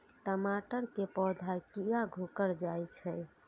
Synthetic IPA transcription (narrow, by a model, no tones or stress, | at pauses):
ʈəmaʈəɾkepɔd̪ʱakijaɡʱokəɾd͡ʒajt͡ʃʰɛ